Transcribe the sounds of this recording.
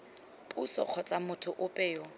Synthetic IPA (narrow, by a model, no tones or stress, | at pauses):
pʼusɔ̰q͡χʰɔt͡sʼamʊtʰʊʔʊpʼɛːɔ